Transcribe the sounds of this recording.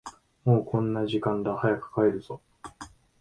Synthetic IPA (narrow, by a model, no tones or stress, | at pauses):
mo̞ːkʰõ̞nːaʑikãnd̪ahajakɯ̥kaeɾɯ̟z̥o